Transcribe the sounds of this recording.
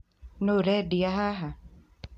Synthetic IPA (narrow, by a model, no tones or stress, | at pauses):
noɾɛdiaɦaɦa